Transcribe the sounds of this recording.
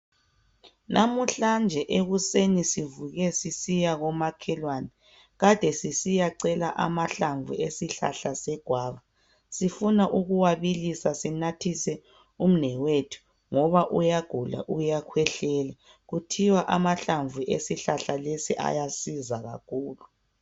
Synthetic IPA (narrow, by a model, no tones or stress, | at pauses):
nʔamuɬand͡ʒʱɛʔeɣusenisivuɣɛsisijaɣɔmakʰɛlwanɛ | ɣad̥ʱɛsisijaǀɛlaʔamaɬaɱvʱuesiɬa̰ɬasɛɡ̥ʱwaːβa | sifunaʔuɣuwaβilisasinatʰisɛ | um̩nɛwetʰu̥ | ŋɔβaʔujaɡ̥ʱula̰ʔujakʰwɛɬɛːlɛ | ɣutʰiwaʔamaɬaɱvʱuʔesiɬaɬalesiʔa̰jasizaɣa̰kʰuːlu